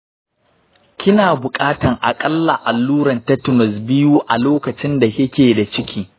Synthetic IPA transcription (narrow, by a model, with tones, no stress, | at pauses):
kʲɪ˦naː˨bʊ˨kʼaː˦tɐ˨ŋʔa̰˨kʼɐ˦lːa˨ʔa˨lːuː˦ɾɐ˨ntɐ˦tʊ˨nɔ˨sbɪ˦ju˦ʔa˨loː˦kɐ˨t͡ʃɪ˦nda˨jɐ˦kʲeː˨da˨t͡ʃɪ˦kʲiː˦